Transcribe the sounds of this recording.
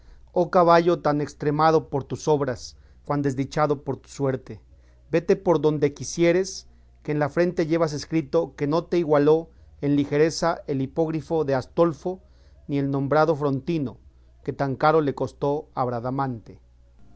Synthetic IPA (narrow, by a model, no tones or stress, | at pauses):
okaβaʝo̞t̪anekst̪ɾe̞mað̞o̞po̞ɾt̪uso̞βɾas | xwand̪e̞zðit͡ʃaðo̞po̞ɾt̪u̥swe̞ɾt̪e | be̞t̪e̞po̞ɾðo̞nd̪e̞kisje̞ɾe̞s | keːnlafɾe̞nt̪e̞ʝe̞βas̬eskɾit̪o̞ke̞no̞t̪e̞iɣwalo̞e̞nlixe̞ɾe̞sae̞lipo̞ɣɾifo̞ðe̞ast̪o̞lfo̞ | nie̞lnõ̞mbɾaðo̞fɾo̞nt̪ino̞̰ | ke̞t̪aŋkaɾo̞le̞ko̞st̪o̞aβɾaðamãnt̪e̥